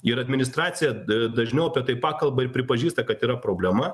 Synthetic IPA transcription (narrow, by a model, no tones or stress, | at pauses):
ɪɾɐd̪ʲmʲɪnʲɪst̪ɾɑːt̪sʲɪjɛd̪ɐʒʲnʲɛʊɐpʲɛt̪ɐɪpɑːkɐlˠbɐɪɾpʲɾʲɪpɐʒʲiːst̪ɐkɐt̪iːɾɐpɾoːbʲlʲɛmɐ